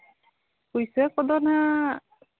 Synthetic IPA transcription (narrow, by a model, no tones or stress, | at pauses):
kujsɛkɔd̪ɔna